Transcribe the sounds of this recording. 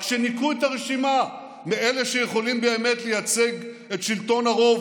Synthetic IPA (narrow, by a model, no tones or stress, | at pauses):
ʃenikujet̪aʁeʃima | miele̞ʃejeχo̞limbeeme̞t̪lejat͡seɡ | e̞t̪ʃilt̪o̞naʁo̞v